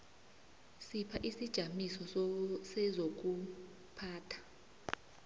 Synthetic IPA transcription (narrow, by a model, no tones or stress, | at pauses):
sipʰaʔisid̥ʒ̥ʱamisɔsɛzok̬u | pʰaːtʰḁ